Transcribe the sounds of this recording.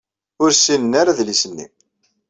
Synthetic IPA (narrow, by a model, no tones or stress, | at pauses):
ʊɾsinənːaɾaðlisənːḭ